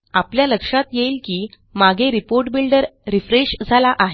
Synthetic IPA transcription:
apljaləkʂat̪jeilkiː | maɡʱeɾipoɾʈbilɖəɾːifɾeɕd͡zʱalaʔaɦe

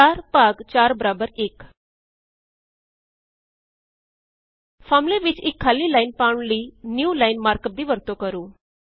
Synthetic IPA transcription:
aːɾpaɡt͡ɕaːɾbəɾabəɾeːk | fʰamliʋit͡ʃekʰːalːilaɪnpãɳ̃linjuːlaɪnmaːɾkəp̚d̪iːʋəɾt̪okəɾuː

